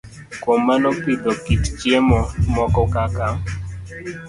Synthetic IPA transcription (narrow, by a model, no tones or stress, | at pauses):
kwomːanɔpid̪ɔkitt͡ʃjemɔmɔkɔkakam